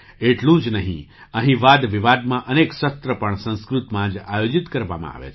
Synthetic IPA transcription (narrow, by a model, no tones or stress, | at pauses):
eʈlũd͡ʒnəɦḭ̃əɦĩʋad̪ʋiʋad̪mãʔənekʃət̪ɾəpəɳsə̃skɾut̪mãd͡ʒajod͡ʒit̪kəɾʋa̰mã̰a̰ʋḛt͡ʃʰ